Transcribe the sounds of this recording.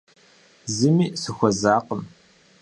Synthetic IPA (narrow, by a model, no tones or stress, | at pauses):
zɨmiːsɨxʷɔzaːqəm